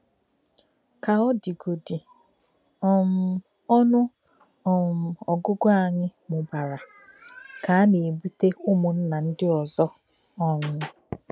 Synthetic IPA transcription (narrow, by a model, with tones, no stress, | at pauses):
ka˨ɔ˦di˨ɡo˨di˨ | ɔ˨m̩˨ | ɔ˦nʊ˦˨ | m˨ɔ˨ɡʊ˦ɡʊ˦a˦˨ɲɪ˦mʊ˨ba˨ɾa˨ | ka˨a˦ne˨bu˦te˦ʊ˦mʊ˨n̩˦na˨n̩˦dɪ˦ɔ˨zɔ˦ | ɔ˦˨ɲʊ˦